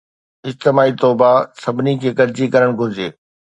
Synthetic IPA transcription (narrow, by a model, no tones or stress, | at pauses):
ɪst̪ɪmaːit̪oːbasɐbʱɪnikʰeːkɐɾd͡ʑikɐɾəɽ̃ɡʱʊɾd͡ʑeː